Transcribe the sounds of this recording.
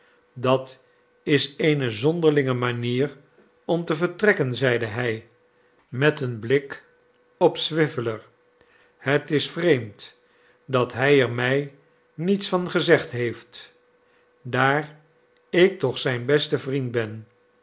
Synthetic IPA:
dɑt | ɪsejnəzɔndəɹlɪŋəmaniːr | ɔmtəvəɹtrɛkənzɛjdəɦɛj | mɛtənblɪk | ɔpsʋɪvələɹ | hətɪsfrejmt | dɑtɦɛjɛɹmɛj | nitsfɑnχəzɛχtɦejft | daːr | ɪk̚tɔχsɛjnbɛstəvrint̚bɛn

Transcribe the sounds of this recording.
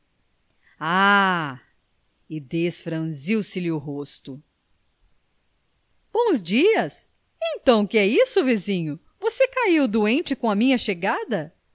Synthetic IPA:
a | ɪd̪esfɾɐ̃ziwsɪlɪʊɦost̪ʊ | b̥õw̃zd͡ʒiɐs | ẽt̪ɐ̃w̃kɪɛisʊvizĩɲʊ | vosekaiwd̪uẽnt͡ʃɪkõɐmĩɲɐʃeɡad̪ɐ

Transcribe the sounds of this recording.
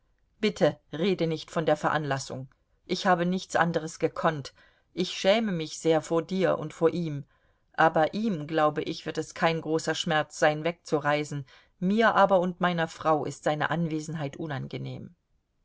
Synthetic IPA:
b̥ɪtʰəʁeːdənɪçtfɔndeːɐfɛɐʔanlasʊ̰ŋ | ʔɪçhaːbənɪçt͡sʔa̰ndəʁ̞əsɡ̥əkʰɔnt | ʔɪçʃɛːməmɪçz̥eːɐfoːɐdiːɐʔʊ̰ntfoːɐʔiːm | ʔaːbɐʔiːmɡlaʊbəʔɪçv̥ɪɐtɛskʰaɪnɡʁoːsɐʃmɛɐt͡sz̥aɪnvɛk̚t͡suʁaɪzn̩ | miːɐʔaːbɐʊntmaɪnɐfʁ̥aʊʔɪ̰stz̥aɪnə̰ʔanveːzn̩ɦaɪtʔʊnanɡənḛːm

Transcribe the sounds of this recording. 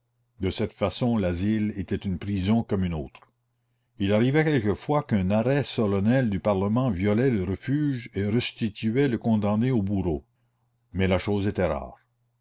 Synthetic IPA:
d̪əsɛt̪fasɔ̃lazilet̪ɛt̪ynpɾizɔ̃kɔmynoːt̪ɾ | ilaʁivɛkɛlkəfwakœ̃naʁɛsɔlɔnɛld̪ypaʁləmɑ̃vjɔlɛləɾəfyːʒeɾəst̪it̪yɛləkɔ̃d̪ɑ̃neobuɾo | mɛlaʃoːzet̪ɛɾa̰ːʁ

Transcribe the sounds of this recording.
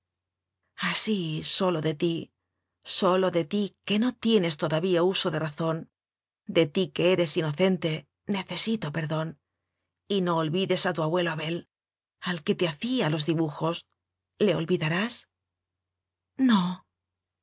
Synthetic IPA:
asiso̞lo̞ðe̞t̪i | so̞lo̞ðe̞t̪ike̞no̞t̪je̞ne̞st̪o̞ðaβiauso̞ðe̞raθo̞n | d̪e̞t̪ike̞eɾe̞sino̞θe̞nt̪e̞ | ne̞θe̞sit̪o̞pe̞ɾðo̞n | ino̞ːlβiðe̞sat̪uaβwe̞loaβe̞l | alke̞t̪eaθialo̞zðiβuxo̞s | le̞olβiðaɾas | no

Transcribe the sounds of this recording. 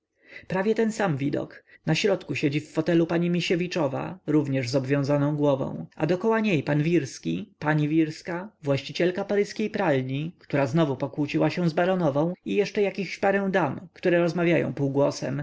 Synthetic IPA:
pɾavʲjɛt̪ɛnsamvʲid̪ɔ̰knaɕɾɔt̪kuɕed͡ʑifːɔt̪ɛlupaɲimʲiɕevʲit͡ʂɔva̰ɾuvɲɛʐzɔbvʲjɔ̃w̃zanɔ̃w̃ɡwɔvɔ̰̃w̃ʔa̰d̪ɔkɔwaɲejpanvʲiɾskʲipaɲivʲiɾskavwaɕt͡ɕit͡ɕɛlkapaɾɘskʲejpɾalɲikt̪uɾaznɔvupɔkwut͡ɕiwaɕɛ̃zbaɾɔnɔvɔ̃w̃ijɛʂt͡ʂɛjakʲixɕpaɾɛw̃d̪amkt̪uɾɛɾɔzmavʲjajɔ̰̃w̃puːɡwɔsɛ̰m

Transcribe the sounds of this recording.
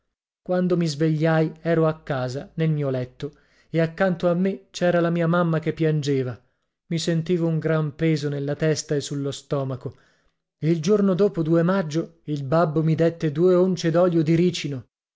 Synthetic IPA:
kwand̪omizveʎːajɛːɾoakːaːzanelmiːolɛt̪ːo | eakːant̪oamːet͡ʃɛːɾalamiːamamːakepːjand͡ʒeːva | misent̪iːvouŋɡɾampeːzonelːat̪ɛst̪aesːulːost̪ɔːmako | eild͡ʒornod̪oːpod̪uːemad͡ʒːoilbabːomid̪et̪ːed̪uːeont͡ʃed̪ɔʎjod̪iɾiːt͡ʃino

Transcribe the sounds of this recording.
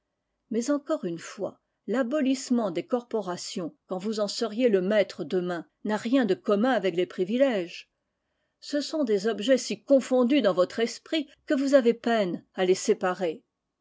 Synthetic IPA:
mɛzɑ̃kɔʁynfwa̰ | labɔlismɑ̃d̪ekɔʁpɔʁasjɔ̃kɑ̃vuzɑ̃səʁjeləmɛt̪χəd̪əmɛ̃ | naʁjɛ̃d̪əkɔmɛ̃avɛklepχivilɛʒ | səsɔ̃d̪ezɔbʒɛsikɔ̃fɔ̃d̪yd̪ɑ̃vɔt̪χɛspχikəvuzavepɛnalesepaʁe

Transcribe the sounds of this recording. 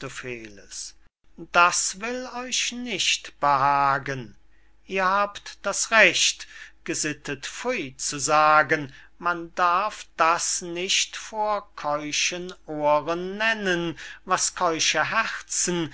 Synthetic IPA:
əfeːləs | d̥asvɪlɔʏʃnɪʃtb̥əhaːɡən | ʔiːɐhaːptd̥asʁɛɕtɡ̥əzɪtətfʊʏt͡suzaːɡən | mandaɐfd̥asnɪʃtfoːɐkʰɔʏʃənʔoːʁənːɛnənvaskʰɔʏʃəɦɛʁt͡sn̩

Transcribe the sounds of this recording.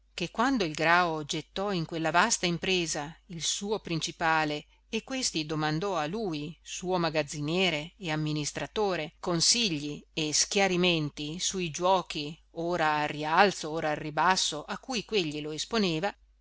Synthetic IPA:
kekːwand̪oilɡɾaod͡ʒet̪ːɔiŋkwelːavast̪aimpɾeːzailsuːopɾint͡ʃipaːle | ekwest̪id̪omand̪ɔaluːjsuːomaɡad̪zːinjɛːɾeːamːinist̪ɾat̪oːɾekonsiʎːieskjaɾiment̪isuid͡ʒwɔːkioːɾaːrːialt̪sooːɾaːrːibasːoʔakːuːjkweʎːiloesponeːva

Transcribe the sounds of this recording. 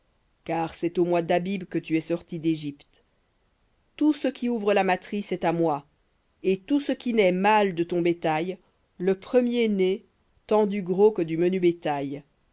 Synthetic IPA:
kaːʁsɛt̪omwad̪abibkət̪yɛsɔʁt̪id̪eʒipt̪ | t̪usəkʲʰiuvʁəlamat̪χisɛt̪amwa | et̪usəkʲinɛmald̪ət̪ɔ̃bet̪aj | ləpχəmjene | t̪ɑ̃d̪yɡʁokəd̪ymənybet̪aj

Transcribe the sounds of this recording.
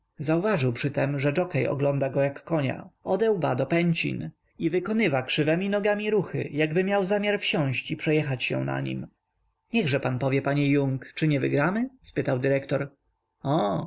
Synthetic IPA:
zauvaʐɘwpʂɘt̪ɛmʐɛd͡ʐɔkɛjɔ̰ɡlɔ̃nd̪aɡɔjakːɔɲa̰ɔd̪ɛwbad̪ɔpɛɲt͡ɕḭn | ivɘkɔnɘvakʂɘvɛmʲinɔɡamʲiɾuxɘ̰jaɡbɘmʲjawzamʲjaɾfɕɔ̃ɕt͡ɕipʂɛjɛxat͡ɕɕɛ̰na̰ɲḭm | ɲɛɣʐɛpanpɔvʲjɛpaɲɛjuŋkt͡ʂɘɲɛvɘɡɾamɘspɘt̪awd̪ɘɾɛkt̪ɔɾ | ɔ

